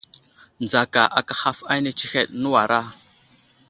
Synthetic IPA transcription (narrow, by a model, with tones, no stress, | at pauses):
n˨d͡za˨ka˨ʔa˨ka˦xa˦fa˦jne˦t͡ʃi˦xe˦ɗnu˦wa˨ɾa˦